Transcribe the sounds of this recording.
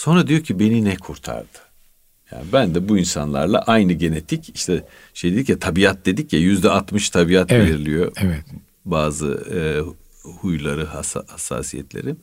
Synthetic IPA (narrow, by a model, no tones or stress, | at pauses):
so̞nɾad̪ijocʰibe̞ninɛkʰuɾt̪ʰa̰ɾd̪̥ɯ̥ | ja̰ːnibænd̪ɛbuinsanlˠa̰ɾlˠa̰ʔajnɯɟe̞ne̞t̪ʰiciʃt̪ʰɛ | ʃejd̪ed̪icjat̪ʰabiat̪̚d̪e̞d̪icjajyzd̪ɛat̪mɯʃt̪ʰabiat̪veɾilʲijoɛv | baːzɯ̰ | hujlˠaɾɯhashasːa̰ːsijɛ̰t̪lʲḛɾim